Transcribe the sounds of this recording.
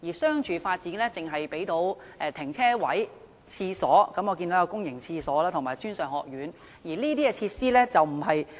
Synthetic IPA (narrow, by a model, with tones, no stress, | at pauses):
jiː˨˩sœː˥ŋt͡ʃʰyː˨˧faː˧t̚t͡siː˨˥nlɛː˥t͡sɪ˨ŋɦɐ˨jpe˨˥jt̪o˨˥wʔɛː˨˧t̪ʰɪ˨˩ŋt͡sʰɛː˥wɐ˨˥j | t͡sʰiː˧sɔː˨˥kɐ˨˧mɔː˧ki˧nt̪o˨˥jɐ˨˧kʊ˥ŋjɪ˨˩ŋt͡sʰiː˧sɔː˨˥laː˥t̪ʰʊ˨˩ŋmaː˨˩jt͡ʃyː˥nsœː˨ŋhɔ̰ː˨k̚jyː˨˥n | jiː˨˩liː˥t̪iː˥kɛ˧t͡sʰiː˧t̚siː˥lɛː˥t͡sɐ˨wm̩˨˩ɦɐ˨j